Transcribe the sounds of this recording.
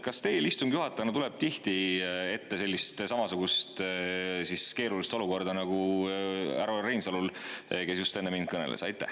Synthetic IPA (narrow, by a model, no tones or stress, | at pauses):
kɑst̪e̞jlist̪umɡ̥juɦɑt̪ːˑɑnɑt̪ule̞b̥̚t̪iht̪ie̞t̪ːe̞se̞lʲːist̪sɑmɑsuɡ̥ust̪siske̞ːɾulist̪o̞luko̞rd̪̥ɑnɑɡ̥u | æ̰ɾorejnsɑlulke̞sjust̪e̞nːemind̪̥̚kɤne̞̰lḛsɑjt̪ˑːæ̰h